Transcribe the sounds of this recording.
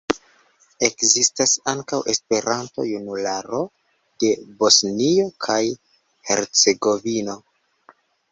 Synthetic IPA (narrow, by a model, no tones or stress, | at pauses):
e̞kzistasaŋkawʔe̞spe̞ɾʔanto̰junulaɾo̞ | d̥e̞bo̞snio̞kʰaj | he̞̰ɾt͡se̞ɡo̞vino̞